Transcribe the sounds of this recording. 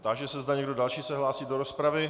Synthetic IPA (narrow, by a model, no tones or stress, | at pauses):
t̪aʒɛsɛzdaɲɛɡdodalʃiːsɛɦlaːsiːdoɾospɾavɪ